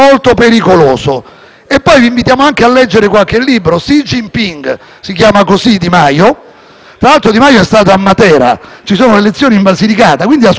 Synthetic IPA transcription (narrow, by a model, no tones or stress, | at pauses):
olt̪opeɾikoloːso | epːɔjviːɱvit̪jaːmoaŋkealːɛd͡ʒːeɾekwalk̟elːiːbɾosid͡ʒimpiŋɡ | sikjaːmakosid̪imajo | t̪ɾalalt̪ɾod̪imajoɛst̪aːt̪̬oamːat̪ɛːɾa̰t͡ʃisoːnolelet̪sːjoːniɱbazilikaːt̪akwind̪ias